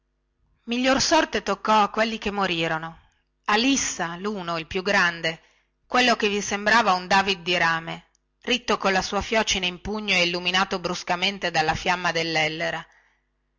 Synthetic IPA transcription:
miʎːorsɔrt̪et̪okːɔakːwelːikemːoɾiːɾono | alisːaluːnoilpjuɡɾand̪e | kwelːokevisembɾaːvaund̪aːvid̪̚ːiɾaːme | rit̪ːokonlasuːafjɔːt͡ʃineimpuɲːoeilːuminaːt̪obɾuskament̪ed̪alːafjamːad̪elːɛlːeɾa

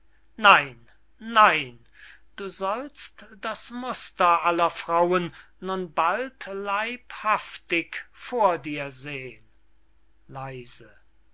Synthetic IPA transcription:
naɪnː | aɪn | d̥uːzɔlstd̥asmʊstɐʔalɐfʁ̥aʊənː | ʊnbaltlaɪphaftɪkfoːɐdiːɐzeːən | laɪzə

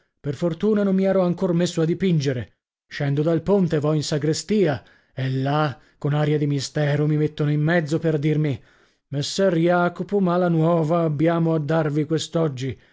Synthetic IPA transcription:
perfort̪uːnanomːmiɛːɾɔaŋkormesːoad̪ːipind͡ʒeɾe | ʃɛnd̪od̪alpont̪evɔinsaɡɾest̪iːa | ɛlːa | konaːɾjad̪imist̪ɛːɾomimet̪ːonoimːɛd̪zoperd̪irmi | mesːɛrjaːkopomalanwɔːvaːbːjaːmoad̪ːarvikwest̪ɔd͡ʒːi

